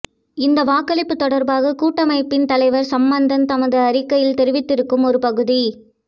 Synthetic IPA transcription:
ɪnd̪ɐʋaːkɐlɪpːɯt̪ɔɽɐɾbaːɣɐkuːʈːɐmɐɪpːɪnt̪ɐlɐɪʋɐɾsɐmbɐnd̪ɐnt̪ɐmɐðɯɐɾɪkːɐjɪlt̪ɛɾɯʋɪt̪ːɪɾɯkːɯmɔɾɯpɐɣɯði

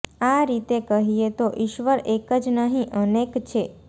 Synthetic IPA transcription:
aɾit̪ekəɦiet̪oʔiʃʋəɾekəd͡ʒnəɦĩʔənekt͡ʃʰe

